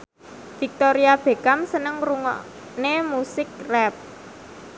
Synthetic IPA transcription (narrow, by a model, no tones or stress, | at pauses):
fik̚t̪oɾiab̥e̤kamsənəŋruŋɔ̰ʔ | nemusɪk̚rɛp̚